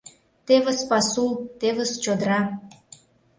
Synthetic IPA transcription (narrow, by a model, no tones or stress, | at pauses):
t̪eβə̆spɑsult̪eβə̆st͡ɕod̪ɾɑ